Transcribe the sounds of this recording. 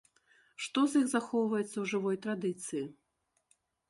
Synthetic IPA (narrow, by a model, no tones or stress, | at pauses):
ʂt̪ɔzʲixzaxɔwvɐjɛt̪sːɐwʐɨvɔjt̪ɾad̪ɨt̪sɨji